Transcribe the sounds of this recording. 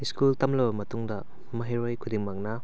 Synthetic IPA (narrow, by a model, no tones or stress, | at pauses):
iskultɐmlɐbɐmɐtuŋdɐ | mɐɦiɾojkʰudiŋmɐŋnɐ